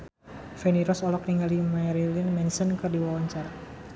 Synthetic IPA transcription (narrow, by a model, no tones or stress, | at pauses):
fɛniɾɔsɔlɔk̚niŋɡalimaɾilɪnmɛnsənkɨrdiwawaɲt͡ʃar